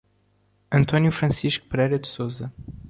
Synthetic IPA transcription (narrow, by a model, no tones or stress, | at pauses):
ɐ̃nt̪ɔnjufɾɐ̃siʃku̥pɾɛjɾɐd̪sozɐ